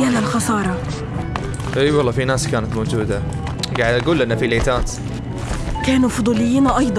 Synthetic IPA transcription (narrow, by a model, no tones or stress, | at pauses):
alalxɑsˤɑːɾˤɑ | ʔeːwɑlˤːɑːfinaːskaːnat̪mad͡ʒuːd̪a | ɡaːʕd̪aɡuːlʔɪnːafileːt̪aːt̪ | kaːnufʊd̪ˤuːlɪjːiːnʔɑjd̪ˤ